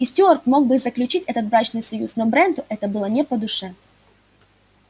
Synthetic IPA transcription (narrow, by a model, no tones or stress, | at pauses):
ɪsʲtʲort̪mo̞ɡ̚bɨzəklʲʉt͡ɕitʲɛt̪ət̪̚bɾat͡ɕnɨjsɐjṵsnobɾɛnd̪ʊʔɛt̪əbɨlˠənʲɛpəd̪ʊʂɛ